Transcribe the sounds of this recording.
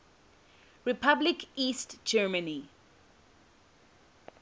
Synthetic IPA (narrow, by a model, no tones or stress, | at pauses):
ɹipʰablikistd͡ʒɛːməni